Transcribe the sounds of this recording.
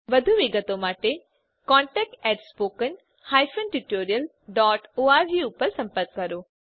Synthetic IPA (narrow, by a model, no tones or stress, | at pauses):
ʋɐd̪ʱuʋɪɡət̪omaːʈe | kɔ̃ːɳʈɛːk̚ʈɛːʈspoːkən | haːjfənʈuʈoːɾijəl | ɖɔːʈoːaːɾʋiʊpəɾsɐ̃mpəɾkːɐɾoː